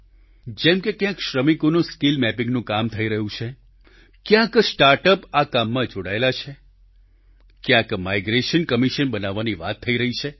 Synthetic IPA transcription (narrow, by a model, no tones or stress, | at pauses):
d͡ʒɛmkekjãkʃɾəmikonũsʈilmɛpĩŋɡnũkamt̪ʰəiɾəɦũt͡ʃʰe | kjãksʈaɾʈəpakamːãd͡ʒoɽaelat͡ʃʰe | kjãkmaiɡɾeʃənkəmiʃənbənaʋːaniʋa̰t̪ʰːəiɾəɦit͡ʃʰe